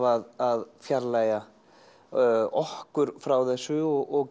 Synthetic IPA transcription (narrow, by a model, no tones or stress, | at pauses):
vaðaðfjaɾlaːja | ɔhkʏɾ̥fɾawθɛsːʏɔɣɔɣ